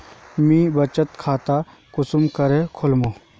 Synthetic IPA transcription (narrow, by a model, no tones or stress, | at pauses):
miːbɐt͡ʃət̪kʰaːt̪a | kʊsʊmkɐɾekʰʊlmoː